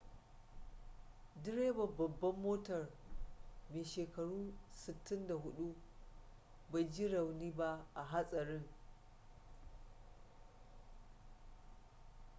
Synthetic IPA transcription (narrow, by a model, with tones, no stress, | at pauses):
dɪ˦ɽeː˦bɐ˨bɐ˨bːɐ˦mːoː˦tɐ˨r | meː˨ʃeː˨kɐ˨ɽuː˦sɪ˨tːɪ˦nda˨ɦʊ˦ɗu˦ | ba˨jd͡ʒi˦ɽɐ˨wniː˦ba˦ʔa˨ɦa˦sʼɐ˨ɾɪ˦ŋ